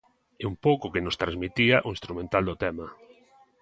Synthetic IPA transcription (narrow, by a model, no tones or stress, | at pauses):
eumpowkʊkenost̪ɾãzmit̪iaʔoĩst̪ɾumẽnt̪ald̪ot̪ɛma